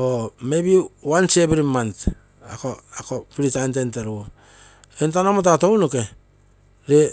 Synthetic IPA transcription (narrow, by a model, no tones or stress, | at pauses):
omebiwansebɾimant | a̰koakopiɾitantenteɾuo | kent̬anomot̬atownoke | ɾe